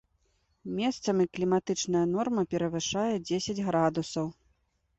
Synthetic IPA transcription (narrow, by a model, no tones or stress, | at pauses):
mʲest̪sɐmʲiklʲimat̪ɨt͡ʂnɐjɐnɔrmɐpʲɛɾɐvɨʂajɛd͡zʲesʲɐd͡zʲɣɾad̪usɐw